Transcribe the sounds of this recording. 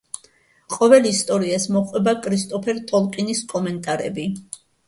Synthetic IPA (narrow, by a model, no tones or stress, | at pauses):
qʼɔvɛlist̪ʼɔɾiasmɔqʼwɛbakʼɾist̪ʼɔpʰɛɾt̪ʼɔlˠkʼiniskʼɔmɛnt̪ʼaɾɛ̰bi